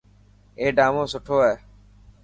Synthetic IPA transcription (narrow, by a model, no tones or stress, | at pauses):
eːɖaːmõːsʊʈʰoːeː